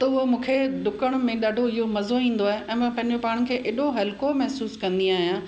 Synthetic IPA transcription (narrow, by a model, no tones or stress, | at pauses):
t̪ɐʊɦomũːkʰed̪ʊkəɽ̃mẽɗaːɖʱoɪɦomɐzoĩːn̆d̪oaːɦeɛ̃ːmɐ̃pɐ̃ɦɪ̃ɲd͡ʑopaːɽ̃̆kʰeːʔeːɗoɦɐlkomɐɦsuːskɐ̃nd̪iaːɦijãː